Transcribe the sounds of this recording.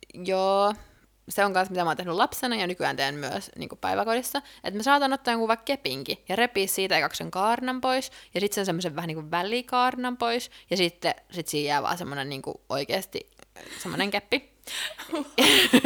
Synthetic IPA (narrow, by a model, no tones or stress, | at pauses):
joː | seoŋkɑnsmit̪æmɑoːnt̪ehnylɑpsenɑjɑnykyæ̰ːnt̪eːnmyø̰snḭːŋkuppæ̰iʋækodisːɑʔḛt̪mesɑːt̪ɑnot̪ːɑːjoŋkuʋɑkkepiŋkijɑrepiːssiːt̪ɑjkɑkseŋkɑːrnɑmpoisjɑsit̪sensemːoseʋʋæhæniːŋkuʋʋælikɑːrnɑmpoisjɑsit̪ːesit̪siːhijæːʋɑ̰ːsemːonenniːŋkṵʔo̰ikḛːst̪ḭsemːo̰neŋkepːi